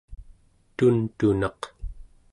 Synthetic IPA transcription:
t̪unt̪unɑq

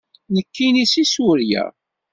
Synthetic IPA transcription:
nəkːinisisʊɾjæ̰

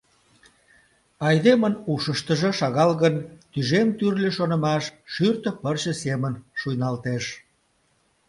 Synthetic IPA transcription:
ɑjd̪emənuʃəʃt̪əʒĕʃɑɣɑlɣənt̪yʒemt̪yrlʲeʃonə̆mɑʃːyrt̪əpərt͡ɕə̆semənʃujnɑlt̪eʃ

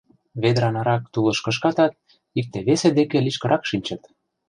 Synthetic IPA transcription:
βed̪ɾɑnɑɾɑk̚t̪ulɤ̆ʃkə̆ʃ̬kɑt̪ɑt̪̚ | ik̚t̪eβesed̪ekĕliʃkɤ̆ɾʔɑkʃinʲt͡ɕɤ̆t̪

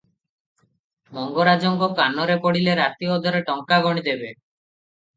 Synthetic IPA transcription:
mɔŋɡɔɾad͡ʒɔŋɡɔkanɔɾepɔɽileɾat̪iɔd̪ʱɔɾeʈɔŋkaɡɔɽ̃id̪ebe

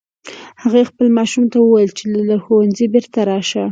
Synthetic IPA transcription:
haɣaxpəlmɑʃumt̪awəwajəlt͡ʃelalaxowanzibɪɾt̪aɾɑʃa

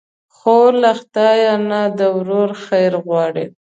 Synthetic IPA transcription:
xolaxt̪ɑjɑnad̪əwɾoɾxajɾɣwɑɽi

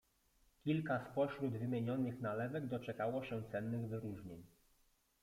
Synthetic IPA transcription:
kʲilkaspɔɕɾud̪vɘmʲjeɲɔnɘxnalɛvɛɡd̪ɔt͡ʂɛkawɔɕɛ̃t̪sɛnːɘɣvɘɾuʐɲeɲ

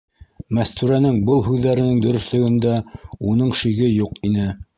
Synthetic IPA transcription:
mæst̪ʉɾænɘŋbɤlˠɦʉðːæɾɘ̆nɘŋd̪ɵ̆ɾɵ̆slɵ̆ɡɵ̆nd̪æunɤɴʃiɡɘjuqinɘ

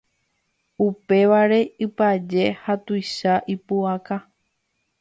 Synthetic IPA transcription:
upe̞ʋaɾe̞ɨpad͡ʒe̞hat̪ujʃaʔipuaka

